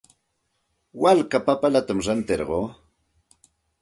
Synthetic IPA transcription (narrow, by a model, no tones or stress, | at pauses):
walkapapalat̪amɾant̪eɾɢoː